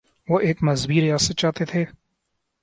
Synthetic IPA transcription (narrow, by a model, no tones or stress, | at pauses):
ʋoːʔeːkmɐzbiːɾejaːset͡ʃaːt̪et̪ʰeː